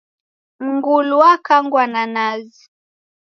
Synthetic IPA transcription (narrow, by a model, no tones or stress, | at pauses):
ŋɡuluakaŋɡwananazi